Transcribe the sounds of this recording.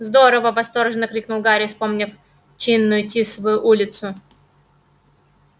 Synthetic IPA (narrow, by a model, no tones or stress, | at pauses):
zd̪o̞ɾəvəvɐst̪o̞rʐɨnːəkɾʲiknulˠɡaɾʲɪfspo̞mnʲɪf | t͡ɕinːʊjʊtʲisvʊjuʔulʲɪt̪sʊ